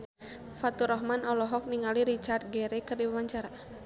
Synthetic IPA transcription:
fat̪uɾɔɦmanɔlɔɦɔk̚niŋaliɾit͡ʃart̪̚ɡɛɾɛkɨrdiwamaɲt͡ʃaɾa

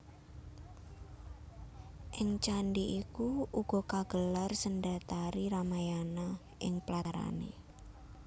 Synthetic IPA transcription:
ʔɪŋt͡ʃanɖiʔikuuɡ̥ɔ̤kaɡ̥əlarsəndat̪aɾiɾamajana | ʔɪŋplaɾa̰nḛ

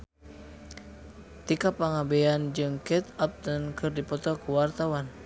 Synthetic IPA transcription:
t̪ikapaŋabɛand͡ʒɨŋkɛt̪ap̚t̪ənkɨrdipɔt̪ɔkuwart̪awan

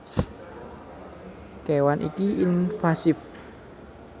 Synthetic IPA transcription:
kɛwanʔḭkiɪnfasɪf

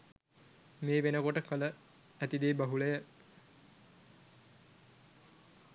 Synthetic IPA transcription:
meːʋenəkoʈəkələ | æt̪id̪eːbaɦulejə

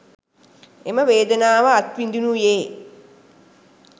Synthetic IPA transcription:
eməʋeːd̪ənaːʋəat̪ʋind̪unujeː

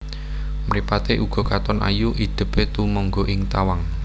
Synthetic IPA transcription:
mɾipat̪eʔuɡ̥ɔ̤kat̪ɔnʔa̰juʔid̪̥ə̤pet̪umɔŋɡoʔɪŋt̪awaŋ

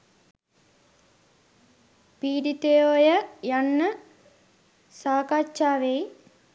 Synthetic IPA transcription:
piːɖit̪ejoːjəjanːə | saːkat͡ʃːaːʋej

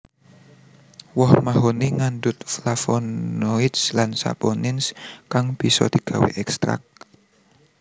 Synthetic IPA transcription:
wɔhmaɦoniŋandʊt̪̚flafɔnoit̪slansa̰pɔnɪnskaŋb̥i̤sɔ̰d̪̥i̤ɡ̥a̤wḛʔɛkst̪ɾa̰k̚

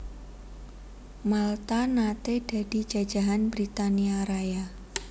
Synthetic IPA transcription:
malt̪anat̪ed̥a̤d̥i̤̥d͡ʒa̤̥d͡ʒa̤ɦanbɾit̪aniaɾaja

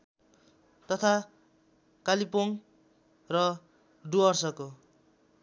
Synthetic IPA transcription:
t̪ʌt̪ʰa | kalipoŋ | rʌ | ɖuʌrsʌko

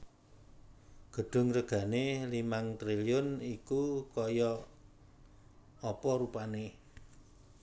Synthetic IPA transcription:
ɡ̥ə̤ɖ̥ʊ̤ŋɾəɡ̥ä̤nelimaŋt̪ɾiliʊnikukɔjɔ | ɔpɔɾupane

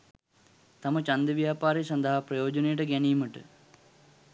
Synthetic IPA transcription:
t̪amət͡ʃand̪əʋjaːpaːɾesand̪əɦaprɐjoːd͡ʒənejəʈəɡæniːməʈə̰

